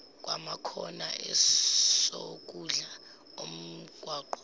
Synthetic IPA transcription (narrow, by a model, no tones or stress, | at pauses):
k̬ʼwamakʰɔnaʔɛsok̬ʼuɮa | om̩ɡ̥ʱwaːǃɔ̥